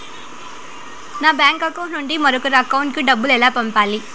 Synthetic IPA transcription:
nãːbaːŋkɐkːʊ̃nʊɳɖimɔɾɐkːɯɾɐɐkːɐʋʊɳʈkɯɖɐbːɯlɛlːaːpɐmpaːli

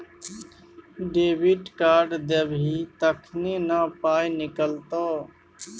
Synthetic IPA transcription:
ɖeːbiːʈkaːɖd̪ebʱiːt̪əkʰneːnaːpaːjnɪkəlt̪oː

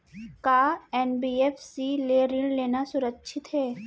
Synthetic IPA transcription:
kaːɛːnbiːeːfsileːɾɪɳleːnasʊɾəkːʃʰɪt̪ɦɛː

